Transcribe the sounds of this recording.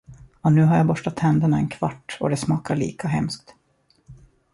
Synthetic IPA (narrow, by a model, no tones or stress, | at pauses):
ɔnʉ̟ːɦaɾjaːbɔʂʈat̪hɛnd̪əɳaɛnkʰvaʈːɔ̰d̪ɛsmɑːkaɭḭːkaɦɛ̰msk̚t̪